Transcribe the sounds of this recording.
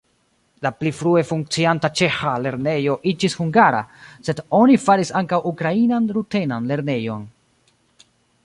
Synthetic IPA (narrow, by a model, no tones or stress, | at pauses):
laplifɾue̞fuŋk̚t͡siantat͡ʃe̞xale̞ɾne̞jo̞ʔid͡ʒishuŋɡaɾa̰se̞do̞nifaɾisaŋkawʔukɾainanɾutenanle̞ɾne̞jo̞n